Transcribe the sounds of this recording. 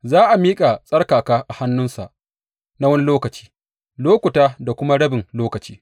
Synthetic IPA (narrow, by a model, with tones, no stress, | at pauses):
zaː˦ʔa˨miː˦kʼa˨sʼɐ˦ɽkaː˨kaː˦ʔa˨ha˦nːʊ˦nsa̰˨ʔ | na˦wɐ˦ni˦loː˦kɐ˨t͡ʃi̥ː˦ | loː˦kʷʊ˨taː˦da˨kʷʊ˦ma˦ɽɐ˦bɪ˨ŋloː˦kɐ˨t͡ʃiː˦